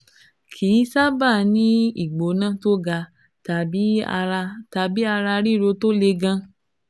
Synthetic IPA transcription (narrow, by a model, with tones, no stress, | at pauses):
kʰi˨˦sa˦ba˦˨nĩ˦ḭ˦˨ɡ͡bo˨˦nã˦˨to˦ɡa˧ | ta˨bi˦˧ | ta˨˧bi˨˦a˧ɾa˧ɾi˦˨ɾo˧to˦le˧ɡã˧